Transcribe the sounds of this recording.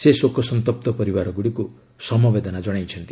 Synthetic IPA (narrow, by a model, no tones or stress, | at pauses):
sesokːɔsʌnt̪ɔp̚t̪ɔpʌɾiwaɾɔɡuɽiku | sʌmɔbed̪ɔnad͡ʒʌɽ̃ajt͡ʃʰʌnt̪i